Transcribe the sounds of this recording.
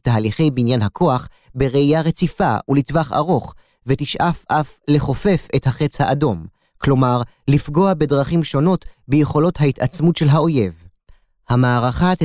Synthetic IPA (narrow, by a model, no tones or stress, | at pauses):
taːaliχe̞jbinjanɦakʰo̞aχ | beʁeijaʁe̞t͡sifa̰ulitvaχa̰ʁo̞χ | vetiʃʔafʔafle̞χo̞fe̞fe̞thaχet͡shaʔado̞m | klo̞maʁ | lifɡo̞abe̞dʁaχimʃo̞no̞tbejeχo̞lo̞thaitat͡smutʃe̞lɦao̞je̞v | hamaːʁaχat